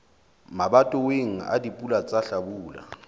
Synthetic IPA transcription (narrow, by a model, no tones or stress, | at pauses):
maɓatʼɔweŋ̩a̰dipʼulat͡sʼaɬaɓuːla̰